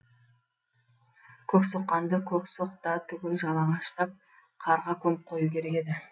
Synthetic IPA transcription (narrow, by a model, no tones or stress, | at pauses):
kʲʰɵksoqːɑnd̪əkʲʰɵksoqt̪ɑt̪ʰʏɡʲɪlʒɑlˠɑʁɑʃt̪ɑp̚ | qʰɑɾʁɑkʲʰɵmɪp̚qʰo̞jukʲʰe̞ɾe̞kʲe̞d̪ɪ